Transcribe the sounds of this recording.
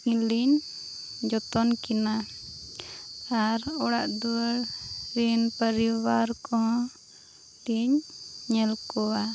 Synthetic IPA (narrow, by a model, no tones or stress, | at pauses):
iliɲ | d͡ʒɔt̪ɔnkina | aɾɔɽaʔd̪uəɽɾinpəɾiwaɾkɔɦɔ̃ | liɲɲɛlkɔwa